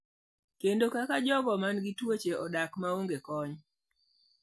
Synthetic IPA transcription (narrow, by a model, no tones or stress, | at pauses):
kendokakad͡ʒɔɡɔmanɡɪtwot͡ʃeɔdakmaoŋɡekɔɲ